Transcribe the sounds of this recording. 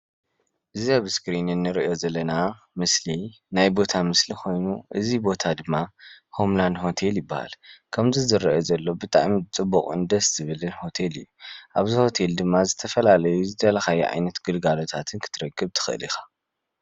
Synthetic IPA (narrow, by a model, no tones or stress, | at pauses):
ʔɨziaβskɾinɨnːɨɾḭʔo̞zɐlːɐna | mɨsli | najbo̞t̪ʰamɨslixʰo̞jnuʔɨzibo̞t̪ʰad̪ɨmːaho̞mland̪ɦo̞t̪ʰe̞ljɪbːaha̰lkʰɐmzizɨɾiʔo̞zɐlːo̞bɨt̪ʼa̰ʔmit͡sʼɨbːuχʼɨ̰nd̪ɐsz̥ɨβɨlɨnho̞t̪ʰe̞lɨ̰jːuʔaβziho̞t̪ʰe̞ld̪ɨmːazɨt̪ʰɐfɐlalɐjuzɨd̪ɐlɐxajuʕa̰jnɐt̪ɡ̥ɨlɡalo̞t̪ʰat̪ʰɨnkʰɨ̥t̪ʰɨɾɐɡːɨβt̪ʰɨ̥xɨʔɨ̰lḭxḁ